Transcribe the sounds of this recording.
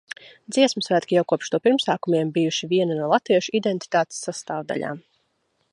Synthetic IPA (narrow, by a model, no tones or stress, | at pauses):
d̪ziɛsməsvæt̪ʲkʲijawkuɔpʃt̪uɔpiɾmsaːkumiɛmbijuʃiviɛnanuɔlˠat̪viɛʃuid̪ɛnt̪i̥t̪aːt̪e̥sːast̪aːvd̪a̰lʎʲa̰ːm